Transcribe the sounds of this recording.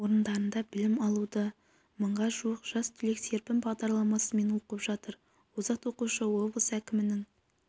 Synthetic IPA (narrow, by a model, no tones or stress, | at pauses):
o̞ɾənd̪ɑɾənd̪ɑbɪlɪmɑlˠud̪ə | məɴʁɑʒuəqʒ̥ɑst̪ʰʏlekse̞ɾpɪmbɑʁd̪ɑɾlˠɑmɑsəme̞noqəpʒɑt̪əɾ | wozɑqt̪wo̞quʃəwo̞blˠəsækʲɪmɪnɪŋ